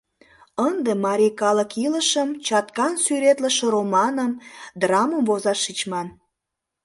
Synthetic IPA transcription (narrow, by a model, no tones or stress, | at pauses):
ənd̪emɑɾʲikɑləkiləʃəmt͡ɕɑt̪kɑnsyɾet̪ləʃĕɾomɑnəmd̪rɑməmvozɑʃːit͡ɕmɑn